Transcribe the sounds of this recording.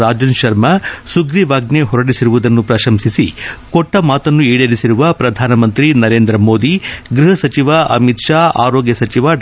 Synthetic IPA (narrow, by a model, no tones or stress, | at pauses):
aːd͡ʒɐnʃɐɾmɐsuɡɾiʋaːɡneɦɔɾɐɽisiɾuʋud̪ɐnːupɾɐʃɐmsisikɔʈːɐmaːt̪ɐnːuiːɽɐɾisiɾuʋɐpɾɐd̪ʱaːnɐmɐnt̪ɾinɐɾe̞ːnd̪ɾɐmoːd̪iɡɾiɦɐsɐt͡ʃiʋɐɐ̰mit̪ʃaːa̰ːɾɔːɡjɐsɐt͡ʃiʋɐ